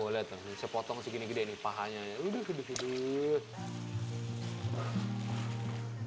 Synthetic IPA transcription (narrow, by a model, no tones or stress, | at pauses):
olɛt̪osəpɔt̪ɔŋsiɡiniɡidanipaɦaɲaudəhudəhudə